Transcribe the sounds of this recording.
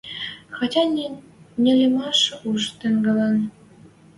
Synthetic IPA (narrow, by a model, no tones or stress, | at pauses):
xɑtʲɑ | nʲĕlʲĕmɑʃuʃt̪ɘ̆ŋɡə̆lɑn